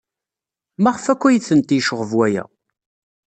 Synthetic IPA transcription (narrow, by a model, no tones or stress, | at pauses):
mæʁəfækʷːæjiθənt̪ijʃəʁəvwæjæ̰